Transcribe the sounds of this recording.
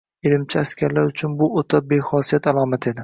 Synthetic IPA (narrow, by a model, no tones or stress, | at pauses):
elɪmt͡ʃʰɪaskʲaɾlaɾʊt͡ʃʰʊnbʊot̪ʰabe̞χɒsijat̪ʰalˠɒmat̪ʰe̞d̪ɪ